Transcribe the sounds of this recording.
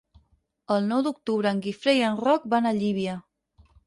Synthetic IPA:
əlˠnɔwd̪uk̚t̪uβɾəːŋɡifɾejənrɔk̚banəʎiβ̞iə

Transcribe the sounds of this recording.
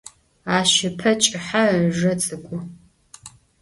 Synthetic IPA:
aːʃɪpʰɐt͡ʃʼɪħaʒɐt͡sʼɨkʷʼʊ

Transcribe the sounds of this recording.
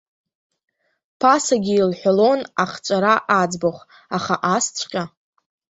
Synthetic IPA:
pʰasaɡʲiːlħʷᶣalo̞naχt͡ʃʷʼaɾaʔad͡zboχʷ | aχaʔast͡sʷʰqʲʼa

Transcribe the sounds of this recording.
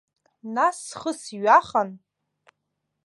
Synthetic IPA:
nasχəsɥaχan

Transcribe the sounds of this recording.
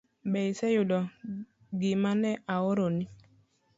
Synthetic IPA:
bɛisɛjudɔ | ɡimanɛʔaoɾoni

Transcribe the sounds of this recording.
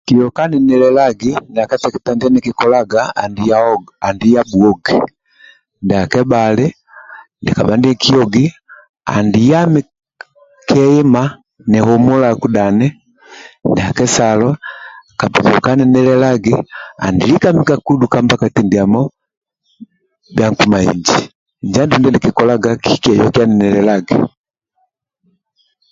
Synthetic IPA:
kiɔkanɛnɛlɛlaɡindakatɛkitandianɛkɛkɔlaɡaa̰ndiaandijabuɔɡi | ndakɛbalɛ | ndikabandiɛkʰiɔɡi | a̰ndijami | kʰɛima | nɛhɔmɔlakudanɛ | ndɛakɛsalɔkabukɔkanɛnɛlɛlaɡia̰ndilikamikakudukambakatindiamɔ | bjaŋkumaḭɲd͡ʒi | ɲd͡ʒandundɛndikikɔlaɡakikiɛjɔkianɛnɛlɛlaɡḭ

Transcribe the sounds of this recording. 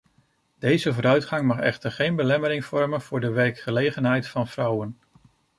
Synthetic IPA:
d̥ejzəvʊːɾœɥtχɑŋmɑχɛ̰χtəɹχejnbəlɛməɾɪŋv̥ɔɹmənv̥ʊːɹdəʋɛɹkχəlejχənɦɛjtfɑnv̥rʌwən

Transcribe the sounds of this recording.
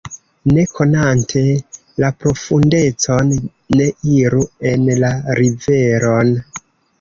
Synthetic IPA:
ne̞kʰo̞nantʰe̞ | lapɾo̞funde̞t͡so̞nː | e̞iɾue̞nlaɾive̞ɾo̞n

